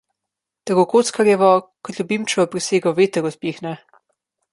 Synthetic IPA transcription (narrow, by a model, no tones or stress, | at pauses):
t̪əɡokoːt̪skaɾɛʋɔkɔt̪lʲubiːmt͡ʃɛɔpɾiseːɡɔʋeːt̪əɾɔt̪piːxnɛ